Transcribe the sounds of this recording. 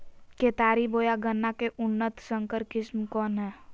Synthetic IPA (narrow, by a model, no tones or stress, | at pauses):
keːt̪aːɾiboːjaɡənːakeʔʊnːət̪sə̃ŋkəɾkɪsmkɔːnɦɛː